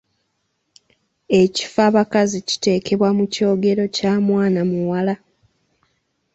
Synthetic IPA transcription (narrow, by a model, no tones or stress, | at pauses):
e̞ci̥faβakazici̥te̞ːkʰe̞βwamuco̞ːɡe̞ɾo̞caːmwaːnamuwala